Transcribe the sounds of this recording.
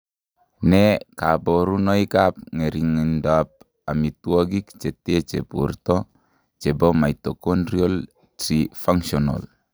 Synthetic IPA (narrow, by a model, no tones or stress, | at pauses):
nɛkaboɾunoikap̚ŋeɾiŋindap̚ | amituoɡikt͡ʃetet͡ʃepṵrtɔ | t͡ʃebomait̪okonɾiol | tɾifaŋsono̰l